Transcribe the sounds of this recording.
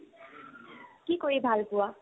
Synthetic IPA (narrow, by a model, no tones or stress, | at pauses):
kikoɹibʱalpʊwa